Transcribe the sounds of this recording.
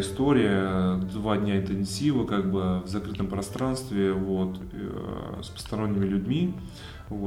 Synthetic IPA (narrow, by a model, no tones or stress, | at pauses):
ɪst̪oɾʲɪjəd̪vadʲnʲaɪnt̪ɨnʲsʲivəkaɡ̚bɨvzɐkɾɨt̪əmpɾɐst̪ɾanst̪vʲɪvo̞t̪ | spə̥st̪ɐɾo̞nʲːɪmʲɪlʲʉdʲmʲi | vo